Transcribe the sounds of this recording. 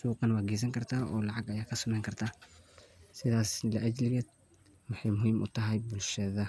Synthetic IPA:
suːqɑnwaːɡɛːs̬ɐŋkʰɐrt̪ʰaːʔɔ̰ːlɑʕɑɡɐjaːkʰɐsʊmɛːjŋkʰɐrt̪ʰaː | sɪðaːslɐʔɐd͡ʒlɪɡɛːd̪ | wʊħɑjmʊhiːmʔʊ̰t̪ʰɐɦɐjbʊlʃɐðɐ

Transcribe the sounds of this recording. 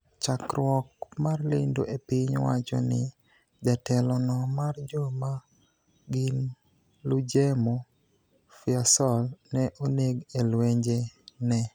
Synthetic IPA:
t͡ʃakɾwɔkmarlɪndo̰ʔepɪɲwa̰t͡ʃɔ̰nɪ̰ | d͡ʒatɛlɔnɔmard͡ʒɔma | ɡɪn | lud͡ʒemo | fiasɔlnɛʔoneɡelweɲd͡ʒenɛ

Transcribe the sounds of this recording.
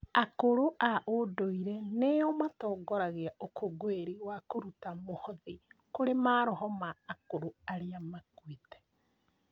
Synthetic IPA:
akoɾoʔaʔodoiɾɛneɔmatɔɡɔɾaɣeaokʰoɡoeɾiwakoɾutamohɔðikoɾemaːɾɔɦɔmaːkoɾoaɾeamakwitɛ̥

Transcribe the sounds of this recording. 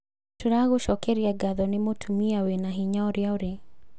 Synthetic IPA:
tuɾaɣuʃɔkɛɾiaɡaðɔnimotʰumiawenaɦiɲaɔɾjaɔɾe

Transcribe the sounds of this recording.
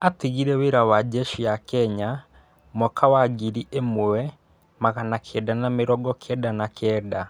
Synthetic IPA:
ateɣiɾɛweɾawad͡ʒɛʃijakɛɲa | mɔkʰawaɡiɾiʔemoɛ | maɣanakʰɛdanameɾɔɡɔkʰɛdanakʰɛːda

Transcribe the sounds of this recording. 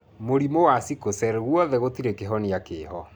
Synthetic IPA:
moɾimowasikosɛɾɛɣwɔðɛɣotiɾekeɦɔniakeːɦɔ

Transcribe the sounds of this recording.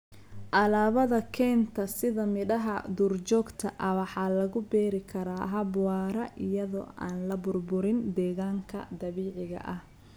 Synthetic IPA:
ʔɐlaːβɐðɐkʰɛːnt̪ʰɐsɪðɐmɪᶑɐɦɐd̪uːrt͡ʃɔːɡt̪ʰɐʔɐwɑħɑːlɐɣʊbɛːɾɪkʰɐɾaːɦɐbwɑːɾɐʔɪjɐðɔ̰ːʔa̰ːnlɐbʊrbʊɾɪnd̪ɛːɣaːŋkʰɐ̰d̪ɐβiːʕɪɣɐ̰ʔɐh

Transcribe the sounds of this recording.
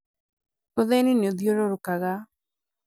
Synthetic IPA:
oðeninoðjoɾoɾʊkaɣa

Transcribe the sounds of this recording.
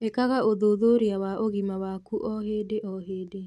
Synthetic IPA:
ekaɣaʔoðoːðoɾeawaʔoɣimawakuʔɔɦeːdeʔɔɦeːde

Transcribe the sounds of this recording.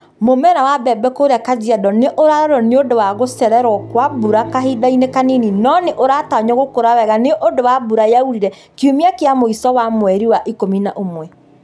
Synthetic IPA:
momɛɾawabɛbɛkoɾeakad͡ʑiadɔneʔoɾaɾɔɾɔneodowaɣosɛɾɛɾwɔkwabuɾakaɦidainekanininɔneʔoɾataɲɔɣokoɾawɛɣaneʔodowabuɾajauɾiɾɛ | kjomiakeamoisɔwamwɛɾiwaʔikominaʔomwɛ

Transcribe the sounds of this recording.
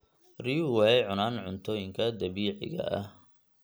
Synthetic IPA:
riːwɛɛʕʊnaːnʕʊnt̪ʰɔːjɪŋkʰɐd̪ɐβiːʕɪ̰ɣɐ̰ɐh

